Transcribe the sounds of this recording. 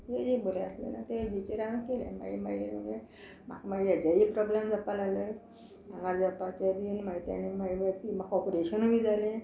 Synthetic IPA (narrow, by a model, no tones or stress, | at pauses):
ɦed͡ʑeboɾẽəslḛnat̪ed͡ʑit͡ɕeɾãŋkelḛ̃ma̰imajiɾməɡe | ma̰kmaɡiad͡ʑaɦipɾɔblamd͡zəpːalalə | ãŋɡaɾd͡zəpat͡ɕabinmaɡit̪a̰nemaipimakɔpoɾeɕənobid͡zalẽ